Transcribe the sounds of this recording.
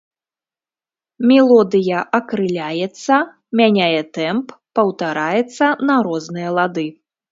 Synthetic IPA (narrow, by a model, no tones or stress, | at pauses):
mʲɛlˠɔd̪ɨjɐʔɐkɾɨlʲajɛt̪sːɐ | mʲanʲajɛt̪ɛmpːɐwt̪aɾajɛt̪sːɐnɐɾɔznɨjɐlˠad̪ɨ